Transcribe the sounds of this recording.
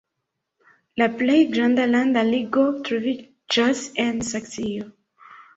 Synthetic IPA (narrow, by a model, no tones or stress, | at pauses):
laplejɡɾãndalandaliɡotɾovi | d͡ʒasensaksijo